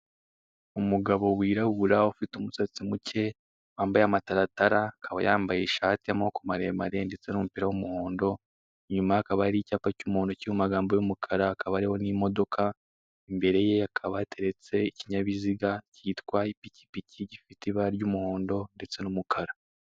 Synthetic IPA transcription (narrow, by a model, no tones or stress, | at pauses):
umuɡaβo̞wiːɾaβuɾaufitumusat͡simucʰe̞ | waːmbajamataɾataɾakʰaβa̰jaːmbajeʃaːtiamahokumaɾemaɾe̞nde̞t͡se̞numupiɾawumuho̞ːndo̞ | ɲumaakaβaɾicaːpacumuhoːndo̞ciumaɡaːmbojumukʰaɾaːkʰaβaɾiho̞nimo̞do̞kʰa | imbe̞ɾe̞je̞jakʰaβatʰe̞ɾe̞t͡se̞iciɲaβiziɡacitwaipici̥picʰiɟifitiβaɾɟumuho̞ːndo̞nde̞t͡se̞numukʰaɾa